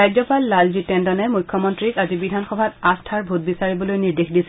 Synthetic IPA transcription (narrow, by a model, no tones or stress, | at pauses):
ajzɔpalːalzitɛndɔnɛmujkʰːɔmɔntɹikazibidʱanxɔbʱatastʰaɹbʱut̚bisaɹibɔlojniɹdexdisɛ